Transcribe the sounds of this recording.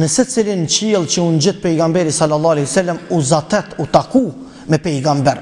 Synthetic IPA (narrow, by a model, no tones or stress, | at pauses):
nəsət͡silint͡ɕiːlˠt͡ɕəund͡ʑit̪̚pɛjɡambɛɾisalːalˠˤːɑːlɛjsɛlːəmuzat̪ɛt̪ut̪aku | mɛpɛjɡambɛɾ